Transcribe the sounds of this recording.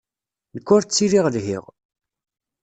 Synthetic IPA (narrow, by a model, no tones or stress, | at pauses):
nəkːʊɾt͡sːiɾiʁlɦḭʁ